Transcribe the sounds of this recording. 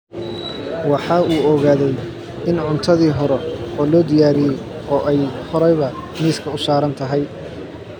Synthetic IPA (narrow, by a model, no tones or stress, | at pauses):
wɑħɑːuːɔɣaːðɛj | ʔɪnʕʊnt̪ʰɐðiːɦɔɾɛɔːlɔːd̪ɪjaːɾɪjɛj | ɔːʔɛjhɔɾɛjβɐmiːskʰɐʊsaːɾɐnt̪ʰɐɦɛj